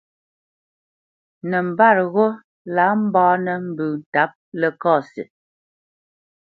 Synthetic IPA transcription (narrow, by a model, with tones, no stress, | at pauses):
nɛ˨m̩˨ba˦˨ɾɣo˦ | la˨˦m̩˦bɔː˦nə˨m̩˨bʉː˨n̩˨ta˨˦p̚lɛ˦kɔː˦˨sḭ˨